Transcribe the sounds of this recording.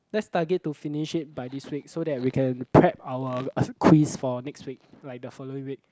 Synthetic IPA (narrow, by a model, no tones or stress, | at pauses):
lɛtstaɡətːufiniʃit̚bajdiswik̚sodɛt̚wikʰɛ̃npʰɹɛp̚awəkʰwisfɔnɛkstwik̚lajk̚dəfɔloĩŋwik̚